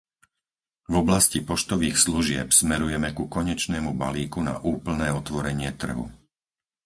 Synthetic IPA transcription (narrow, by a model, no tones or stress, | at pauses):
vɔblascipɔʃt̪ɔʋiːxsluʒɪɛ̰psmɛɾujɛmɛkukɔɲɛt͡ʃnɛːmubaliːkuna̰ʔuːpl̩nɛːɔt̪ʋɔɾɛɲɪɛt̪r̩ɦṵ